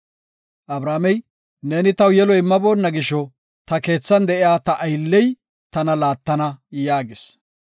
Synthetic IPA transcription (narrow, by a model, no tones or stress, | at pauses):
ʔɐbɾaːmɛj | neːnɪt̪ɐwjɛlɔɪmːɐbo̞ːnːɐɡɪʃɔ | t̪ɐke̞ːt͡sːɐnd̪ɛʔɪjaːt̪ɐʔɐjlːɛj | t̪ɐnɐlaːt̪ːɐnɐjaːɡɪs